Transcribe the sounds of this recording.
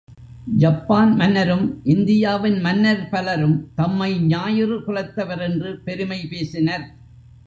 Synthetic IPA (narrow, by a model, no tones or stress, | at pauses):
d͡ʒɐpːaːnmɐnːɐɾɯmʔɪnd̪ɪjaːʋɪnmɐnːɐɾpɐlɐɾɯmt̪ɐmːɐɪɲaːjɪrɯkʊɻɐt̪ːɐʋɐɾɛndrɯpɛɾɯmɐɪpeːsɪnɐɾ